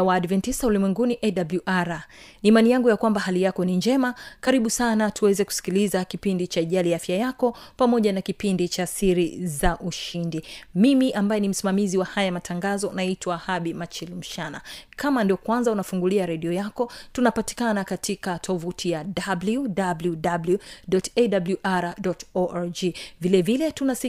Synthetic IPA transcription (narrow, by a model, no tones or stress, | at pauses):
waːdvɛntistaulimwɛŋɡuniʔɛɗabluʔaɾaniːmanijaŋɡujakwambaɦalijakɔniɲd͡ʒɛmakaɾiɓusanatuwɛzɛku̥si̥kilizakipindit͡ʃaːʄaliafjajakɔpamɔʄanakipindit͡ʃasiɾizaʔuʃindimimiʔambajɛnim̩simamiziwahajamatʰaŋɡazɔnaitwaːhaɓimat͡ʃilm̩ʃanakamandiɔkwanzaunafuŋɡuliaɾɛɗiɔjakɔtunapati̥kanakatʰikatʰɔvutʰijadabludabludabluɗɔtɛdabluʔaɾadɔtɔʔaɾd͡ʒivilɛvilɛtunas